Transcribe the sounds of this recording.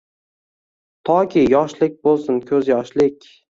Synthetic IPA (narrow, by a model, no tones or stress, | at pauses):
t̪ʰɒkʲʰɪjɒʃlɪk̚ʲbolˠsɪnkʲʰɵzjɒʃlɪkʲ